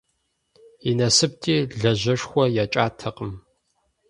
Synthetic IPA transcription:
inɐsɨp̚tʰʼiːɮɐʑʷɐʂxʷɔjat͡ʃʼaːtʰɐqʼəm

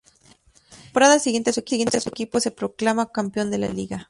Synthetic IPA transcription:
poɾaðalsiɣje̞nt̪esueije̞nt̪esuekipo̞se̞pɾo̞klamakampjo̞nd̪e̞la̰liɣa

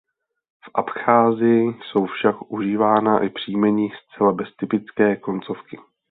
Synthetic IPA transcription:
fʔapxaːzɪjɪso̞wfʃakʔuʒiːvaːnaʔɪpr̝̥iːmɛɲɪst͡sɛlabɛst̪ɪpɪt͡skɛːko̞nt͡so̞fkɪ

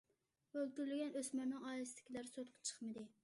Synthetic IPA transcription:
ølt̪yɾlɪɡʲɛnøsmɪɾnɪŋɑːlɨsd̪ɪ̥kʲʰilæɾsot̪̚qʰɑ̥t͡ʃʰə̥χmɨd̪ɪ

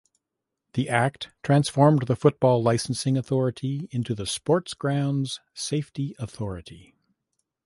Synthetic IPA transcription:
ðiʔæk̚tʰɹ̥æ̃nsfɔɹmðəfʊt̚b̥ɔlˠaɪsn̩sɪ̃ŋɨθɔɹɨɾiɪ̃ntʉðɨspɔɹtsɡ̥ɹãʊ̃ndz̥seɪftiəθɔɹɨɾi

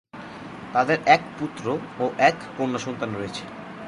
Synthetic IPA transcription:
t̪aðɛɾɛkput̪ɾo | ɔʔɛkponasunt̪anɾet͡ɕʰɪ̥

